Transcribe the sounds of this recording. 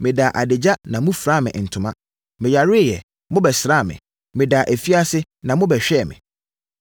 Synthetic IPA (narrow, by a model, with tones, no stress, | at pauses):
mɪ̃˨da˨ʔa˨dɪ˨d͡ʑa˦nã˨mũ˦fɾa˦˨mɪ̰̃˨n̩˨tʰʊ̃˨mã˦ | mɪ̃˨ja˨ɾɪ˦˨jɛ̰˨ | mʊ̃˦bɛ˨sɾa˦˨mɪ̰̃˨ | mɪ̃˨daː˨ʔæ˨fi˦a˦sɪ˦ | nã˨mʊ̃˦bɛ˨ɕᶣɛ˦˨mɪ̰̃˨